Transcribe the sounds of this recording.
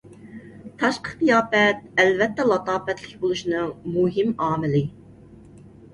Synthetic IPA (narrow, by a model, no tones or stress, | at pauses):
t̪ʰɑʃqə̥t̪ijɑːpɛt̪̚ɛlvɛt̪ːɛlˠɑt̪ɑːpɛt̪lɪkʲbolˠuʃinɨŋmuɦɪmɑːmɪlɪ